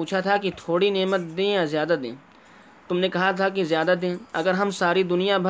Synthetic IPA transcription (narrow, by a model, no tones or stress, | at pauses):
uːt͡ʃʰat̪ʰakit̪ʰoːɽineːmət̪̚d̪ẽːjazjaːd̪ad̪ḛ̃ː | t̪ʊmnekɐɦat̪ʰakizjaːd̪ad̪ẽːɐɡəɾɦɐmsaːɾid̪ʊnijabʱ